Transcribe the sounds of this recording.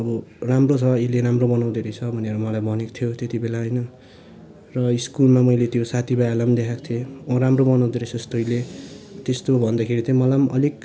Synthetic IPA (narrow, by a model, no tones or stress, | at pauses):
ʌbʌramrot͡sʰʌeleɾamrobʌnaw̃d̪eɾʌt͡sʰʌbʱʌneɾʌmʌlajbʌneko̥t̪ʰijot̪et̪ibelaɦʌjnʌ | rʌiskulmamʌjlet̪josat̪ʰibajalamd̪ekʰakt̪ʰeʌɾamrobʌnaw̃d̪eɾet͡sʰʌst̪oilet̪est̪obʱʌnd̪akʰeɾit̪ʌjmʌlamʌ̰lik